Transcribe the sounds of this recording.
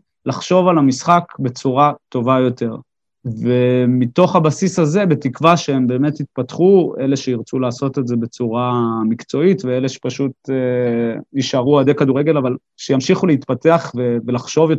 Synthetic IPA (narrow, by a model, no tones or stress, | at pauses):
laχʃo̞valamisχakbe̞t͡suʁat̪o̞vajo̞t̪e̞ʁ | ve̞mit̪o̞χhabasisaze̞be̞tikvaʃeembe̞ːme̞t̪it̪̚patχue̞leʃeiʁt͡sulaːso̞t̪e̞tze̞be̞t͡suʁamikt͡so̞itveeleʃe̥paʃute | iʃaʁuad̪ekaduʁeɡe̞laval | ʃejamʃiχuleit̪pate̞aχvevelaχʃo̞vjo